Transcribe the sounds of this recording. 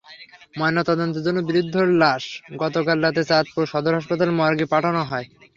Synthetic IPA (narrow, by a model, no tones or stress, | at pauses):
mɔjnːot̪ɔd̪ont̪od͡ʑonːobiɾid̪ʱːoɾlaʃɡɔt̪okalɾat̪̬et͡ɕat̪̚puɾʃɔd̪oɾɦaʃpat̪almɔaɾɡipaʈʰanoɦɔe